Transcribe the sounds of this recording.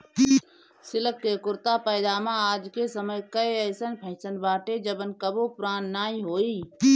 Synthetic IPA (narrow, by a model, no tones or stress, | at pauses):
sɪləkːekʊɾt̪apəɪd̪aːmãaːd͡ʒkesəməjkəeəɪsənpʰə̃ɪ̃sənbaːʈed͡ʒəbənkəbopʊɾaːnːaːĩɦoːiː